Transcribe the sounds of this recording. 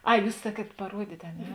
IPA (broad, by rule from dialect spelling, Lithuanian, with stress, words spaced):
ˈɐɪ ˈjuːs ˈsɑːˌkʲiɛt pɐˈruɔdʲiːtʲ ɐ ˈnʲɛ